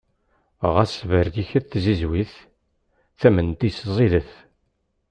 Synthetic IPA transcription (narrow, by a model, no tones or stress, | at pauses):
ʁæsvəɾθiçəθθzizwiθ | θæmənt̪iszˤiðəθ